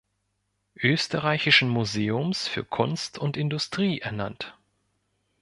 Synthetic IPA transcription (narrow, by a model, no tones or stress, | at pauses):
ʔøːstəʁaɪçɪʃn̩muzeːʊmsfyːɐkʰʊnstʰʊntɪndʊstʁ̥iːʔɛɐna̰nt